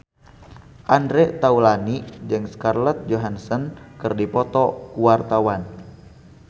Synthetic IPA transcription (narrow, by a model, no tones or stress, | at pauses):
ʔandɾɛt̪aulanid͡ʒɨŋskarlət̪̚d͡ʒoɦansənkɨrdipɔt̪ɔkuwart̪awan